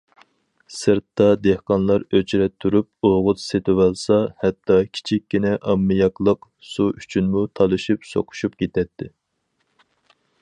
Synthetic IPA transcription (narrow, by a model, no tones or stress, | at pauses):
sɨɾt̪ːɑd̪ehqɑnlˠɑɾøt͡ʃʰɾɛt̪ʰːuɾyp̚oʁʊt̪set̪ʰɪwɛlˠsɑhɛt̪ʰːɑkʲʰi̥t͡ʃʰikʲːinɛʔɑmːɨjɑklˠəq | suyt͡ʃʰynmut̪ʰɑlˠɨʃipso̰qʰʊ̥ʃup̚kʲʰet̪ʰɛt̪ʰːɪ